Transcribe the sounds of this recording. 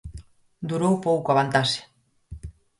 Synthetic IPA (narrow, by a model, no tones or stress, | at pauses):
d̪uɾowpowkoaβant̪ase̥